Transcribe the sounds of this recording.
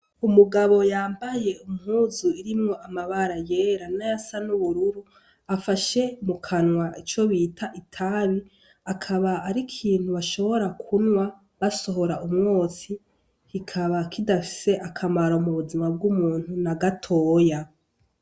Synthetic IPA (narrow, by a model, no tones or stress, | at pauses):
umuɡaβo̞jaːmbaje̞umhuːzuiɾimŋo̞ʔamaβaɾajeːɾanajasanuβuɾuɾu | afaʃe̞mukʰanwait͡ʃo̞βitʰaʔitʰaβi | akʰaβaːɾikʰiːn̥huβaʃo̞βo̞ɾakʰunwa | βaso̞ɦo̞ɾaʔumŋoːsi | kikʰaβakʰidafi̥se̞ʔakʰamaɾaumuβuzimab̚ɡumuːn̥hunaɡatʰo̞ːja